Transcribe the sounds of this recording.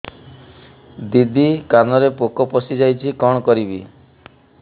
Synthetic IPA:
d̪id̪ikanɔɾepokɔpɔsid͡ʒajt͡ʃʰikɔɽ̃ɔkɔɾibi

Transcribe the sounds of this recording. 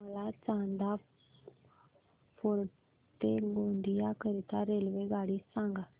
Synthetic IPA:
əlat͡ʃãːnd̪a | pʰoːɾ | t̪eɡõːɳɖ̪ʱijakəɾit̪aɾeːlʋeɡaːɽisãːŋɡa

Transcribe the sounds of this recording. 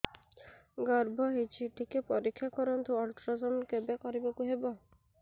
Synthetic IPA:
ɡɔɾbʱɔɦit͡ʃʰiʈʰikepɔɾikʰːjakɔɾɔnt̪uɔlʈɾɔzɔmkebekɔɾibakuɦebɔ

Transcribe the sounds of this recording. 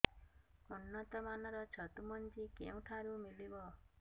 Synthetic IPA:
unːɔt̪ɔmanɔɾɔt͡ʃʰɔt̪umɔnd͡ʒikḛũʈʰaɾumilibɔ

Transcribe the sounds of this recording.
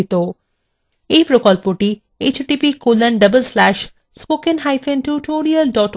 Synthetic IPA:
it̪o | ejpɾokɔlpoʈi | et͡ɕʈipikolənɖəbəlslæʃ | spokenɦajfʰenʈuʈoɾiəlɖɔʈ

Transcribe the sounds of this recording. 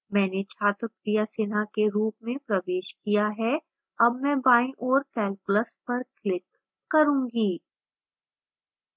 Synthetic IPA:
mɛ̃ːnet͡ʃʰaːt̪ɾʊkɾijaseːnakeɾuːp̚mẽpɾɐʋeːʃkijaɦɛ | ɐbmɛ̃ːbaːĩʔɔːɾkɛːlkʊləspɐɾklɪkː | ɐɾũːɡiː

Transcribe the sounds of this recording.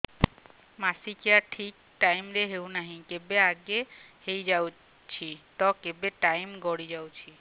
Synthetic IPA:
masikeaʈʰik | ʈajmɾeɦewnaɦĩkebeaɡehejd͡ʒaw | t͡ʃʰit̪ɔkebeʈajmɡɔɽid͡ʒawt͡ʃʰi

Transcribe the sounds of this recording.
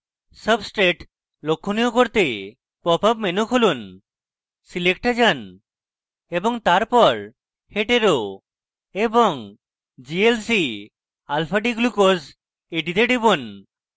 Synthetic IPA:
səbsʈɾeʈ | lokʰːoniokoɾt̪e | pɔpapmenukʰolun | silekʈad͡ʑan | ebɔŋt̪aɾpɔɾ | heʈeɾo | eboŋ | d͡ʒielsi | alpʰaɖiɡlukos | eʈit̪eɖibon

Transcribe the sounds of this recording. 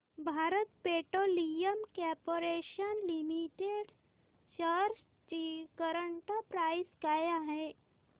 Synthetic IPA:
bʱaɾət̪peʈolijəmkɔɾpoɾeʃənlimiʈeɖ | ɕəɾs | t͡ɕikəɾəɳʈapɾaiskajaɦɛ̃

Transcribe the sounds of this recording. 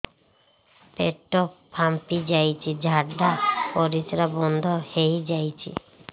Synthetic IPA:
pḛʈːɔppʰːampid͡ʑajt͡ɕʰid͡ʑʱaɖapɔɾit͡ʃɾabɔnd̪ʱohejd͡ʑajt͡ɕʰḭ

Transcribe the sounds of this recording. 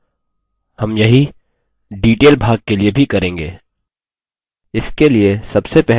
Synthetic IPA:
hɐmjɐɦi | ɖiːʈeːlbʱaːɡ̚keliebʱikɐɾẽːŋɡḛː | ɪskeliesɐbsepɛɦ

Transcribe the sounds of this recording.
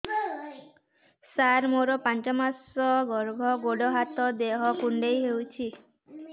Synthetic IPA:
saɾmoɾɔpant͡ʃɔmasɔɡɔɾbʱɔɡoɖɔɦat̪ɔd̪eɦɔkuɳɖejɦewt͡ʃʰi

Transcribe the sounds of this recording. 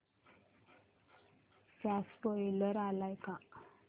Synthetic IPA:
saspɔjləɾalajka

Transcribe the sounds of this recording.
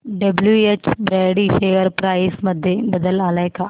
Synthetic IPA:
ɖɐbljuet͡ʃbɾeːɽifeːʋəɾpɾaːɪsmɐd̪ʱːjebɐd̪əlaːlaekaː

